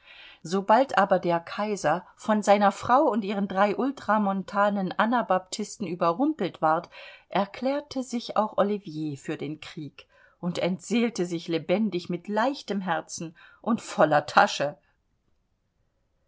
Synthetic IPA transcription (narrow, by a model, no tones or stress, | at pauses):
zobaltʔaːbɐdeːɐkʰaɪzɐfɔnzaɪnɐfʁ̥aʊʊntʔiːʁ̞əndʁaɪʔʊltʁ̥amɔntʰaːnənʔanɐbap̚tʰɪstn̩ʔyːbɐʁʊmpl̩tv̥aɐtʔɛɐkʰl̥ɛːɐtʰəzɪça̰ʊxʔolivjeːfyːɐdeːnkʁ̥iːk | ʔʊntɛntz̥eːltəzɪçlebɛndɪçmɪtlaɪçtəmɦɛɐt͡sn̩ʔʊntfɔlɐtʰa̰ʃə